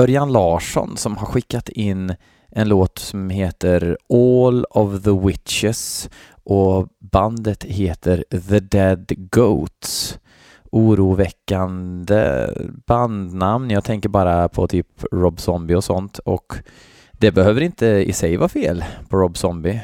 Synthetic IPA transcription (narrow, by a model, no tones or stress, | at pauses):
œɾjanlɑːʂɔ̰nsɔmhaɾɧɪkːat̪ɪnː | ʔɛnloːt̪sɔmheːt̪əɾoːlɔvðəwɪt̪ʃɪs | ʔɔband̪ət̪heːt̪ʰəɾðəd̪ɛd̪ɡoʊt̪s | ʔuːɾuːvɛkːand̪ə̰b̥and̪namnjɑːt̪ʰɛŋkəɾbɑːɾapʰɔ̰t̪ʰyːpɾɔbsɔmbɪɔsɔnt̪ɔ̰k | d̪̥ɛbɛhøːvəɾɪnt̪əɪ̰sɛjvɑːfeːlpʰɔɾɔbsɔmbɪ